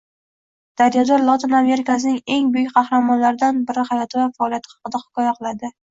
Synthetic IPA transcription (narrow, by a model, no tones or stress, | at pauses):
d̪̥aɾjad̪ɒɾlˠɒt̪ʰɪname̞ɾɪkʰas̬ɪnɪŋe̞ŋbʊjʊkʲqʰɑhɾamɒnlaɾɪd̪anbɪɾɪhajɒt̪ʰɪvafaɒːlˠijat̪ʰɪ̥hɑ̥qɨd̪ahʊ̥kʰʲɒjaqʰɨlˠad̪ɪ